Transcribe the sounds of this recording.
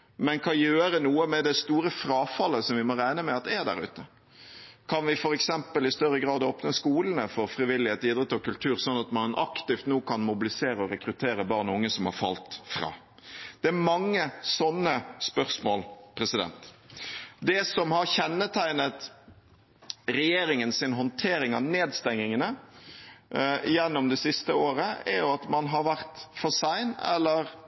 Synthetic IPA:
mɛnkʰɑnjøːɾənuːəmɛd̪ɛst̪uːɾəfɾɑːfɑlːəsɔmʋɪmɔɾæɪnəmɛɑt̪̚d̪ɛæd̪æ̰ɾʉ̰ːt̪ə | kʰɑnʋɪfɔɾɛksɛmpəlɪst̪œɾəɡɾɑːd̪oːpnəskuːlənəfɔɾfɾɪʋɪlːɪheːt̪iːd̪ɾɛt̪ːɔkʉlt̪ʰʉːɾsɔnːɑt̪mɑnʔɑ̰kt̪ɪft̪noːkʰɑnmʊbɪlɪseːɾəɔɾɛkɾʉt̪ʰeːɾəbɑːʁnʊŋːəsɔmhɑ̰ɾfɑ̰lt̪fɾɑ̰ː | d̪̥ɛæɾmɑŋːəsɔnːəspœʁsmoːlpʰɾɛsɪd̪ɛ̰nt̪ | d̪ɛsɔmhɑɾçɛnːət̪ʰæɪnət̪ | ɾɛjeːɾɪŋənsɪnɦɔnt̪ʰeːɾɪŋɑneːd̪st̪ɛŋɪŋənə | jɛnːɔmd̪ɛsɪst̪əoːɾəɛɾjʊɑt̪mɑnɦɑɾʋæɾt̪fɔsæɪnɛ̰lːəɾ

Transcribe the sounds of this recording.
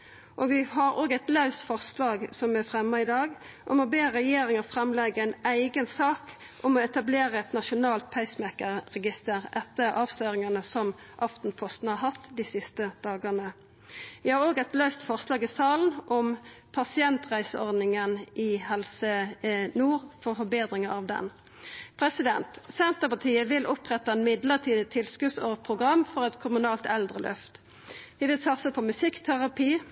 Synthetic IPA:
ʔoːɡʋɪhɑɾoːɡæɪt̪lɑʉst̪fɔʁslɑːɡsɔmæfʁɛmːɑɪd̪ɑːɡʔɔmɔbeːɾɛjeːɾɪŋɑfɾɛmlɛɡəæɪnæɪɡənsɑːk | ʔɔmɔɛt̪ɑbleːɾəɛt̪nɑʃʊnɑːlt̪̚pʰæɪsmɛkəʁʁɛɡɪst̪əʁɛt̪ːəʔɑːʋsløːɾɪŋɑnəsɔm | ʔɑft̪n̩pʰɔst̪n̩hɑɾhɑt̪ːd̪ɪsɪst̪əd̪̥ɑːɡəʁnə | ʋɪhɑːʁoːɡɛt̪løʏst̪fɔʁslɑːɡɪsɑːln̩ʔɔmpʰɑsɪɛnt̪ʁæɪsəɔʁd̪nɪŋənɪhɛlsənuːʁfɔʁfɔbeːd̪ʁɪŋəɑʋd̪ɛ̰npʰʁɛsɪd̪ɛnt̪sɛnt̪əpɑt̪ʰiːəʋɪlʔɔpʁɛt̪ːɑɛnmɪd̪ləʁt̪ʰiːd̪ət̪ʰɪlskʉsoːʁpʰʁʊɡʁɑmːfɔʁɛt̪kʰʊmʉnɑːlt̪ɛld̪ʁəlʔœ̰ft̪ | ʋɪʋɪlsɑt̪səpʰɔmʉsɪkt̪ʰæʁɑpʰiː

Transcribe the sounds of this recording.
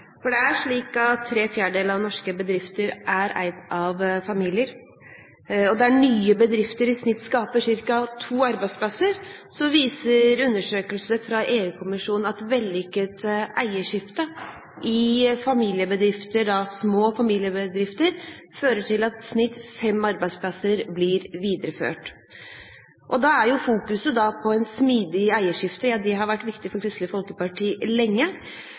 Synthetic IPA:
fɔɖɛæʂɭiːkɑt̪ʰːɾeːfjæːɖəɖeːləɑʋnɔʂkəbəd̪ɾɪft̪əɾʔæɾæ̰ɪd̪ɑʋfɑmiːlɪəɾ | ɔd̪ææɳyːəbəd̪ɾɪft̪əɾɪsnɪt̪ːskɑːpəʂɪɾkɑt̪ʰuːɑɾbæɪd̪spʰlɑsəɾsɔʋiːsəɾʉnːəʂøːkəlsəfɾɑʔeːʉːkʰʊmɪʂuːnɑt̪ʋɛlʏkːət̪ʔæɪəʂɪft̪ə | ʔɪfɑmiːlɪəbəd̪ɾɪft̪əɖɑsmoːfɑmiːlɪəbəd̪ɾɪft̪əɾ | føːɾəʈʰɪlɑt̪snɪt̪ːfɛmɑɾbæɪspʰlɑsəɾblɪɾʋiːd̪əɾəfø̰ːʈ | ʔɔd̪ɑæɾjʊfuːkʉsəd̪ɑpʰɔɛɪnsmiːd̪ɪæɪəʂɪft̪əjɑːd̪ɛɦɑɾʋæʈːʋɪkt̪ɪfɔɾkʰɾɪst̪ləfɔlkəpɑʈʰiːlɛŋːə

